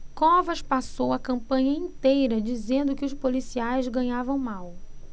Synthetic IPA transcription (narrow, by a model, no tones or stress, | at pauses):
kɔvɐʃpasowɐkɐ̃mpɐ̃ɲɐĩnt̪ejɾɐd͡ʒizẽnd̪ʊkɪʊʃpolisiajzɡɐ̃ɲavɐ̃w̃maw